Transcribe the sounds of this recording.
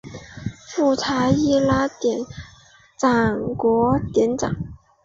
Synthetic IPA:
fu˥˩t͡sʰa˧˥i˥˩la˥t̪jɛ˨˩n | t͡sɑ˨˩ŋkwɔ˧˥t̪jɛ˧˥nt͡sɑ̰˨˩˦ŋ

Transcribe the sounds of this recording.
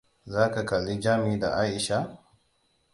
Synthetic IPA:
zaː˦ka˨ka˨lːi˦d͡ʒaː˦mi˦da̰˨ʔaː˦ʔɪ˨ʃa˦

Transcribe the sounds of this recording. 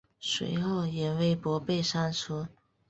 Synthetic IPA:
swḛ˧˥ɪxo˥˩ʊjɛ˨˩we˥˩ɪpwɔ˧˥pe˥˧ɪʂa˥nʂʰu˥

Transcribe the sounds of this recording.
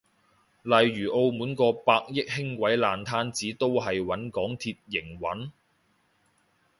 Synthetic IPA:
lɐ˨jɥyː˨˩ʔo˧wmuː˨˥nkɔː˧paː˧k̚jɪ˥k̚hɪ˥ŋkʷɐ˨˥jlaː˨˧nt̪ʰaː˥nt͡siː˨˥t̪o˥wɦɐ˨jwɐ˨˥nkɔː˨˥ŋt̪ʰiː˧t̚jɪ˨˩ŋwɐ˨˥n

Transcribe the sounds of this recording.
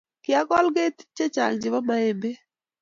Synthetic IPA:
kɪa˦kɔ˦lɡe˦t̪t͡ʃːe˦t͡ʃa̰˨ŋd͡ʒɪ˨wa˦ma˦e˦mbe˦

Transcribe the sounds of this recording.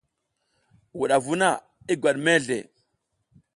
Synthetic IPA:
wu˨ɗa˨vu˦na˦˨ | i˦ɡʷwa˨ɗme˦ɮḛ˨

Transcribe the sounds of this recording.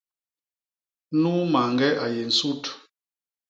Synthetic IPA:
nu˦ma˨ŋɡɛ˦ʔa˨je˨n̩˨su˦t

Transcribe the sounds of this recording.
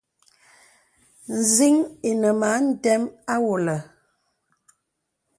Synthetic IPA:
n̩˨zi˦ŋe˨nə˨ma˨˦n̩˦dɛ˦ma˦wo˨lə˨

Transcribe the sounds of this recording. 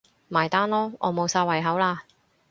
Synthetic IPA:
maː˨˩jt̪aː˥nlɔː˥ʔɔː˨˧mo˨˧wsaː˧wɐ˨˩jɦɐ˨˥wlaː˧

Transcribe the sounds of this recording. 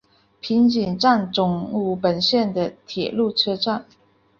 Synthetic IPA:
pʰi˧˥ŋt͡ɕi˨˩nʈ͡ʂa˥˩nʈ͡ʂʊ˨˩ŋu˧˥˩pə˨˩nɕjɛ˥˩nd̪ə˩t̪ʰjɛ̰˨˩lu˥˩ʈ͡ʂʰɤ˥ʈ͡ʂa˥˩n

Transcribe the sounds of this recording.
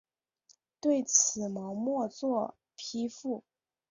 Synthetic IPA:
t̪we˥˩ɪt͡sʰɹ̩˨˩mɤ˧˥ŋmwɔ˥˧t͡swɔ˥˩ | pʰi˧˥fu˥˩

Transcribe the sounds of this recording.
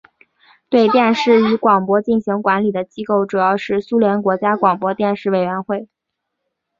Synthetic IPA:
t̪we˥˧ɪt̪jɛ˥˧nʂɻ̩˥˩y˧˥kwɑ˨˩ŋpwɔ˥t͡ɕi˥˩nɕi˧˥ŋkwa˧˥nli˨˩d̪ə˦t͡ɕi˥ko˥˩ʊʈ͡ʂu˨˩jɑ˥˧ʊʂɻ̩˥˩su˥ljɛ˧˥nkwɔ˧˥t͡ɕja˥kwɑ˨˩ŋpwɔ˥t̪jɛ˥˧nʂɻ̩˥˩we˨˩ɪɥɛ˧˥nxwe˥˩ɪ

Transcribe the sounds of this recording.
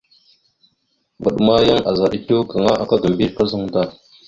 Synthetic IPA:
ɡu˨ɗma˦ja˦ŋa˨za˨ɗi˦to˦ka˨ŋa˦ʔa˨ka˦ɡə˨m˨bi˦ka˦zə˦ŋda˦˨

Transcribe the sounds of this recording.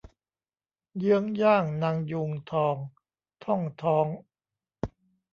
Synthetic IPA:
jɯ˦˥əŋjaː˥˩ŋna˧˥ŋju˧ŋt̪ʰɔː˧ŋ | t̪ʰɔ˥˩ŋt̪ʰɔː˦˥ŋ

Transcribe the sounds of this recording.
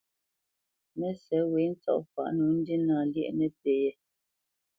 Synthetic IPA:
mɛ˦sɛ˨˦we˨˦n̩˦t͡sɔ̰˦˨ʔfa̰˨ʔnu˨˦n̩˦di˦naː˨ljɛ̰˦ʔnɛ˦pe˨jɛ˦˨

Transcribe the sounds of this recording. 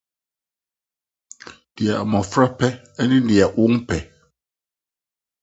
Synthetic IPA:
d̥i˨a˨ʔmɔ˨fɾa˦pɛ˦ | ɛ˦ni˦n˦di˨a˨ʔu˦ŋpɛ˨

